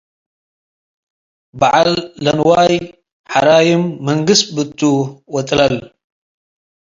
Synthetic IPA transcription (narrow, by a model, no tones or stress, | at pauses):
baʕalːɐnwaːj | ħaɾaːjɪmːɐŋɡɨst̪̚bɨt̪ʰʼːuwɐt̪ʼlɐl